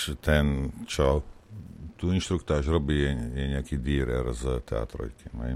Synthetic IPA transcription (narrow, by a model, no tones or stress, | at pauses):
t̪ɛnt͡ʃɔ | t̪uinʃt̪ɾukt̪aʃɾɔbiɛjɛɲakid̪iːɾɛ̰ɾzət̪ɛ̰a̰ːt̪ɾɔ̰jkimɛ̰j